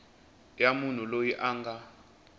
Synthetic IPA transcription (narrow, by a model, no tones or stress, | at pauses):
jamun̤ulojiʔaːŋɡa